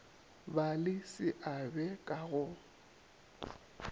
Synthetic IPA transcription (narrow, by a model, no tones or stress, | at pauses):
balɪsɪʔabɛkʼaɣʊ